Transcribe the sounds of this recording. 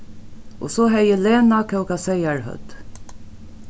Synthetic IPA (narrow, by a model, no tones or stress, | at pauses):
ɔsɔːɦɛjəleːnakʰɛwkasɛjaɹhœ̰t̪